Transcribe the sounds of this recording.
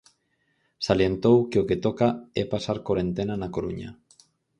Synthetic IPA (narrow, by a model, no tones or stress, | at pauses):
saljent̪owkeoket̪okaɛpasaɾkoɾent̪enanakoɾṵɲa̰